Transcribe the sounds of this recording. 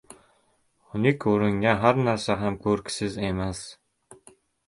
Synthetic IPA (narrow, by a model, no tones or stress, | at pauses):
ʊnikʲʰoɾɪŋɡaɦæɾnæɾsaɦæmkʰɵɾksɪzemæs